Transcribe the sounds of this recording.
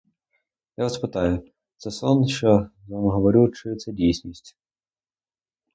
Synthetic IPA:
jaʋɐspɪt̪ɑjʊ | t̪sɛsɔnʃt͡ʃɔzʋɑmɦɔʋɔɾʲut͡ʃɪt̪sɛdʲijsʲnʲisʲtʲ

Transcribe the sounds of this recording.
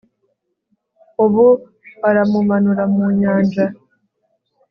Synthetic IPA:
oβu | βaɾamumanuɾamuɲaːɲd͡ʒa

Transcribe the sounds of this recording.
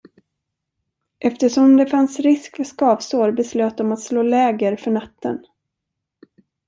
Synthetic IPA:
ʔɛft̪əʂɔmd̪ɛfansɾɪskfœʂkɑːvsoːɾbɛsløːt̪̚d̪ɔmat̪sloːlɛːɡəɾfœɳat̪ːə̰n

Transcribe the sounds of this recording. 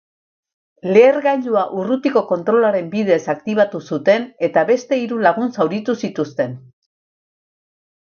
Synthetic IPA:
le̞ːɾɣajʎuaʔurut̪iko̞ko̞nt̪ɾo̞laɾe̞mbið̞e̞sakt̪iβ̞at̪usut̪e̞ne̞t̪aβe̞st̪e̞iɾulaɣ̞unsawɾit̪usit̪ust̪e̞n

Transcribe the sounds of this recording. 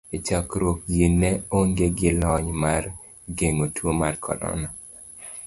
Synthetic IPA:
et͡ʃɔkɾwok̚ɡinːɛoŋɡeɡɪlɔɲmar | ɡeŋotwomarkʰɔ̰ɾɔ̰na

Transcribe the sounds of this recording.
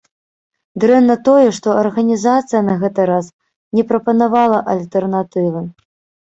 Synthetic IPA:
d̪ɾɛnːɐt̪ɔjɛʂt̪ɔɐrɣɐnʲizat̪sɨjɐnɐɣɛt̪ɨɾas | nʲɛpɾɐpɐnavalˠɐʔɐlʲt̪ɛrnat̪ɨvɨ

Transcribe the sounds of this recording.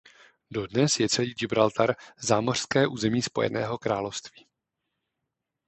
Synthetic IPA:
do̞dnɛsjɛt͡sɛliːd͡ʒɪbɾalt̪ʰaɾzaːmor̝̥skɛːʔuːzɛmiːspo̞jɛ̰nɛ̰ːɦo̞kɾaːlofst̪vi̥ː

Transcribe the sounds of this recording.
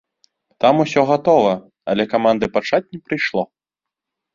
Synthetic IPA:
t̪amusʲɔɣat̪ɔvɐ | ɐlʲɛkamand̪ɨpat͡ʂat͡sʲnʲɛpɾɨjʂlˠɔ

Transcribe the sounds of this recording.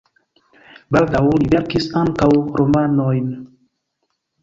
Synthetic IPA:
baldawlibeɾkisaŋkawɾʔomanojn

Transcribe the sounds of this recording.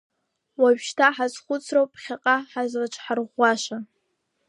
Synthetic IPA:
waɥʃtʰaħazχʷʊt͡sʰrowpʰχʲaqʼaħazlat͡ʃʰʼħarʁʷːaʃa

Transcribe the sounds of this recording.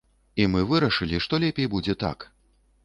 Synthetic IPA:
imɨvɨɾɐʂɨlʲiʂt̪ɔlʲɛpʲejbud͡zʲɛt̪a̰k

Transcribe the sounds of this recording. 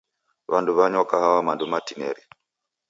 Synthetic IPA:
βanduβaɲɔkahawamandumatinɛ̰ɾi

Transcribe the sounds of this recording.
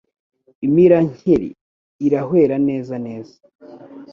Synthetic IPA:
imiɾaɲ̥eɾḭ | iɾaɦwe̞ːɾane̞ːzane̞ːzḁ

